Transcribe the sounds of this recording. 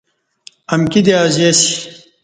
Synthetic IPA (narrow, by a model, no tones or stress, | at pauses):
ɐmkid̪eaːzesi̥